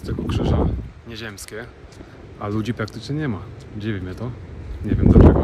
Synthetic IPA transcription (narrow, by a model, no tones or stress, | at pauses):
st̪ɨxukʂɘʐaɲɛʑɛmskʲɛ | alud͡ʑipɾak̚t̪ɘt͡ʂɲɛɲɛmad͡ʑivʲimʲɛt̪ɔɲɛvʲjɛmd̪lat͡ʂɛɡɔ